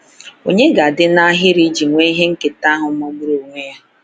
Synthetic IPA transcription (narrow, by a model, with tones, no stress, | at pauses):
o̰˨ɲe˦ɡa˨dɪ˦na˦ɦɪ˦ɾi˦d͡ʒi˨ŋʷe˦i˦ɦe˦ŋ̩˦ke˨ta˦ɦʊ˨˦mɔ˦ɡ͡bu˦ɾo˨ŋʷe˦ja˦